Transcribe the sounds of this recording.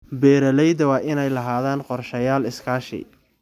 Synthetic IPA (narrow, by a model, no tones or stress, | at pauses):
bɛːɾɐlɛjd̪ɐwɑːʔɪnɛjlɐɦaːðaːnqɔrʃɐjaːlɪskʰaːʃɪ̰